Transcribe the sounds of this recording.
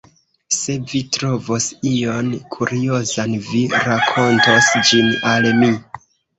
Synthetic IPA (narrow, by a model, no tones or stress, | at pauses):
se̞vitɾo̞vo̞sionkʰuɾio̞zanviɾakʰo̞ntosd͡ʒinalmi